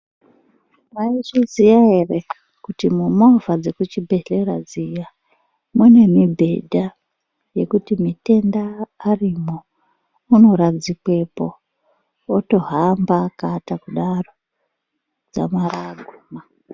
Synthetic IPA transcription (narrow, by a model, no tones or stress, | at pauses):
mait͡ʃizijaere | kutimumovad͡ze̞kut͡ʃibʱe̞ɬe̞rad͡zija | mune̞mibʱe̞dʱa | je̞kutimite̞ndaːrimo | uno̞ɾad͡zikwe̞po̞ː | to̞ɦambakatakuɗaro̞ | d͡za̰maraɡʱuːma